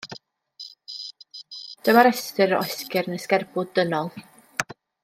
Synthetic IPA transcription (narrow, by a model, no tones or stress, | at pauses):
d̥əmaɾɛstɪɾɔ̰jskɪrnəskɛrbʊdənɔlˠ